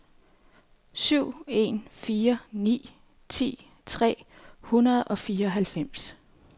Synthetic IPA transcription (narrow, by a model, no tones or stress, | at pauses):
syʊ̰e̝nfiːɐnḭː | t͡sʰḭː | t͡sʰʁɛ̰ːhunɐð̞̩ˠɒ̽fiːɐɒ̽ɦælfem̰s